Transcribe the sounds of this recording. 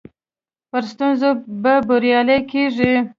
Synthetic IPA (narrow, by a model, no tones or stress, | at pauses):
pəɾst̪unzobabʊɾjɑlekeʐi